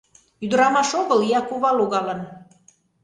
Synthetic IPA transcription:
yd̪əɾɑmɑʃoɣəlijɑkuβɑloɣɑlən

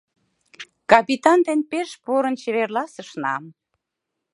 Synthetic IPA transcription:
kɑpit̪ɑnd̪enpeʃpuɾənt͡ɕeβerlɑsəʃnɑ̰m

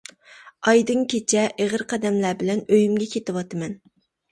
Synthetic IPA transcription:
ɑjd̪ɨŋkʲʰet͡ʃʰɛʔeʁəɾqʰɛd̪ɛmlæbɪlɛnøjymɡʲɛkʲʰet̪ɨwɑt̪ɨmɛn

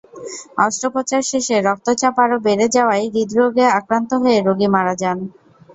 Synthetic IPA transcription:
ɔsʈɾopot͡ɕaɾʃeʃeɾɔk̚t̪ot͡ɕapaɾobeɾed͡ʑaoajɾid̪ɾoɡeakɾant̪oɦoeɾoɡimaɾad͡ʑan

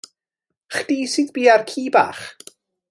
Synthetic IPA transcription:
χd̥iːsɨðbiːarkʰiːba̰ːχ

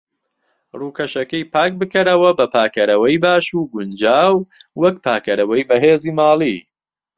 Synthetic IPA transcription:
ruːkʰɐʃɐkɐjpʰaːk̚bɨkɐɾɐwɐbɐpʰaːkʰɐɾɐwɐjbaːʃuːɡʊnd͡ʒaːwwɐk̚pʰaːkɐɾɐwɐjbɐɦeːziːmaːlˠi

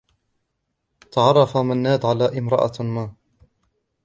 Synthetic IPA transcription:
t̪ɑʕɑrˤːɑfamanːaːd̪ʕalaːʔɪmɾɑ̰ʔa̰maː

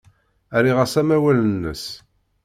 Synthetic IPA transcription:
æɾiʁəsæmæwælənːə̰s

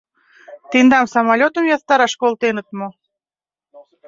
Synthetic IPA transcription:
t̪end̪ɑmsɑmɑlʲot̪əmjɑðt̪ɑɾɑʃkolt̪enət̪mo

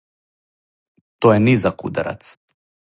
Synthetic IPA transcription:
t̪ɔjɛnizakṵd̪a̰ɾa̰t̪s

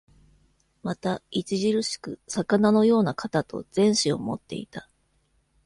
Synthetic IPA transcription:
mat̪ait͡ɕiʑiɾɯ̟ɕi̥kɯ̟̰sakanano̞jo̞ːnakat̪at̪o̞̰zẽ̞ɰ̃ɕio̞̰mo̞̰t̪ːe̞ḭt̪a

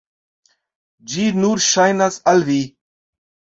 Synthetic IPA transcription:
d͡ʒiːnuːɾʃajnɐsɐlʋiː

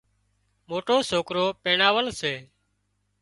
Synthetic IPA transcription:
moːʈoːsoːkɾoːpeːɳaːʋəlseː

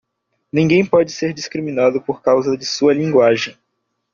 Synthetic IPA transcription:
nĩŋɡẽj̃pɔd͡ʒɪseɾd͡ʒiskɾimĩnad̪ʊpoɾkawzɐd͡ʒɪsuɐlĩŋɡwaʒẽj̃

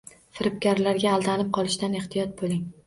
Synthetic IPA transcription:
fɪɾɪp̚kʲaɾlaɾɡʲaːlˠd̪anɪp̚qʰɒlˠɪʃd̪aneht̪ʰijɒt̪̚bolɪŋ

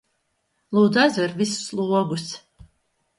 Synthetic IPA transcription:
lˠud̪azɛɾvisːlˠuːɔɡus

